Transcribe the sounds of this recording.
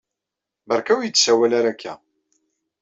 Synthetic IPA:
bəɾˤkæwjət͡sːsæwælaɾækʰːæ̰

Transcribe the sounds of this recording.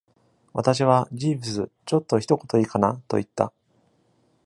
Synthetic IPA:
βat̪aɕ̬iβ̞aʑiːbɯ̟sɨt͡ɕo̞t̪ːo̞çi̥t̪o̞ko̞t̪o̞iːkanat̪o̞̰it̪ːa̰

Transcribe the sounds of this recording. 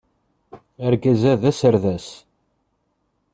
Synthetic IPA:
æɾɡæzæðæsəɾðæs

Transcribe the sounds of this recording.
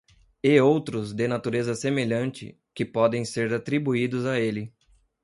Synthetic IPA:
ɪowt̪ɾʊzd̪ɪnat̪uɾezɐsemeʎɐ̃nt͡ʃɪ̰ | kɪpɔd̪ẽj̃seɾat̪ɾibuid̪ʊzaelɪ

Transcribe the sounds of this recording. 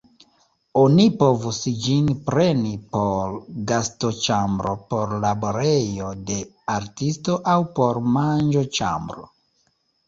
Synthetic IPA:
o̞nipo̞vusd͡ʒinpɾe̞nipo̞ɾɡasto̞t͡ʃambɾo̞po̞ɾlaboɾe̞jo̞de̞ | aɾtisto̞ʔawpo̞ɾmand͡ʒot͡ʃa̰mbɾo̰

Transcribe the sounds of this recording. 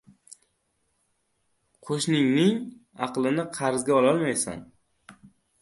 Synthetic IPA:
qʰoʃnɪŋnɪŋɑqlˠɪnɪqʰɑɾzɡʲaɒlˠɒlˠmajsa̰n

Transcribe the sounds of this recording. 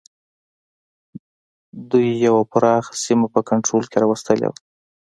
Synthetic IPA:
d̪ujːawapʊɾɑxsimapəkaɳʈɾolkeɾɑwast̪əlḛwa

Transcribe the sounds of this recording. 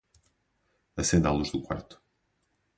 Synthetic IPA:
ɐsẽnd̪a̰lˠuʒðukwa̰ɾt̪u̥

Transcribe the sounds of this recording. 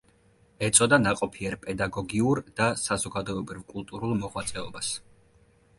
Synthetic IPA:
ɛt̪sʼɔd̪anaqʼɔpʰiɛɾpʼɛd̪aɡɔɡiuɾd̪̥asazɔɡad̪ɔɛbɾivkʼulˠt̪ʼuɾulˠmɔʁwat̪sʼɛɔ̰bas

